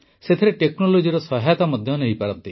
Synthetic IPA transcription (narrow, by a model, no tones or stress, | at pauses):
set̪ʰeɾeʈeknolod͡ʒiɾɔsɔɦajt̪amɔd̪ʱjɔneɦipaɾɔnt̪i